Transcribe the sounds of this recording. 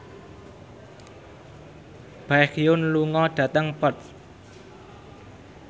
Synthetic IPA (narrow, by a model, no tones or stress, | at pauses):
b̥akjʊnluŋɔɖ̥ä̤t̪əŋpət̪̚